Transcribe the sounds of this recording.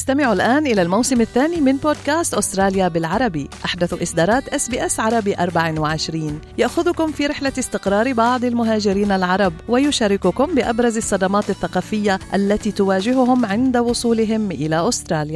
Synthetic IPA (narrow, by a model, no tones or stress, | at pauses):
ɪst̪amɪʕulʔaːnʔɪlalmawsɪmaθːaːnimɪnboːd̪̚kaːst̪ʔʊst̪ɾˤɑːljabɪlʕɑɾˤɑbiʔaħd̪aθʔɪsd̪ɑːɾˤɑːt̪ʔasbiːʔasʕɑɾˤɑbiʔɑɾˤbaʕɪwɪʕɪʃɾiːnjaʔxʊðʊkʊmfiːɾɪħlaɪst̪ɪqɾˤɑːɾbɑʕd̪ˤɪlmʊɦaːd͡ʒɪɾiːnalʕɑɾˤɑbwajʊʃaːɾɪkʊkʊmbɪʔabɾˤɑzɑsˤːɑd̪ɑmɑːt̪aθːaqɑːfɪjːaʔalːat̪iːt̪ʊwaːd͡ʒɪɦʊɦʊmʕɪnd̪awʊsˤuːlɪɦɪmʔɪlaʔʊst̪ɾˤɑːlja